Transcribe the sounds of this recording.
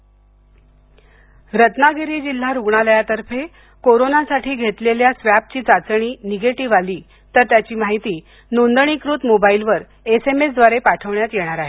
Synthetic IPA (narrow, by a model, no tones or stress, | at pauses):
ɾət̪naɡʱeɾiːd͡ʑil̤ːaɾuɡɳaləjat̪əɾfe | koɾonasaʈʰiːɡʱet̪leljasʋjap̚t͡ɕiːt͡sat͡sɳ̃iːniɡeʈiʋaliː | t̪əɾt̪jat͡ɕiːmaɦit̪iː | nond̪əɳ̃ikɾuːt̪mobailʋəɾ | esemesd̪ʋaɾepaʈʰəʋɳjat̪jeɽ̃aɾaɦe